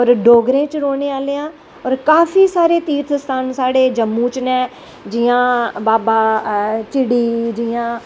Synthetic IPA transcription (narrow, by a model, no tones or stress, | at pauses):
ɔːɾɖoːɡɾẽːt͡ʃɾoːneːaːleːãː | ɔːɾkaːfʰiːsaːɾeːt̪iːt̪ʰst̪ʰaːnsaːɽeːd͡ʒəmːũːt͡ʃnɛ̃ː | d͡ʒiːãːbaːbaːt͡ʃɪɽiːd͡ʒiːãː